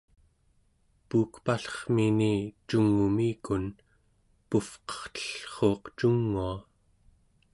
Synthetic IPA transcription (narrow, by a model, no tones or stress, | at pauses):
puːkpaɬʌ̥χminit͡ʃuŋːumiːkun | pufqʌ̥χt̪ə̥ɬχo̞ːqt͡ʃuŋːua